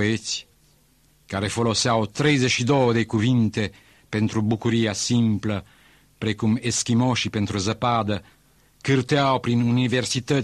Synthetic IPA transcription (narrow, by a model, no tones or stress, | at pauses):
et͡s | kaɾefolosawt̪ɾezeʃid̪ɔd̪ekuvint̪e | pent̪ɾubukuɾiasimplə | pɾekumeskimɔʃipent̪ɾuzəpad̪ə | kɨɾt̪eawpɾinuniversit̪ə